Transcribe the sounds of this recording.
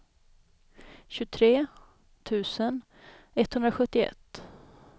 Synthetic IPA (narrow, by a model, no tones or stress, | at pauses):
ɕʉt̪ʰɾeː | t̪ʰʉ̟ːsən | ɛt̪hɵnɾaɧɵt̪ːɪɛ̰t̪ː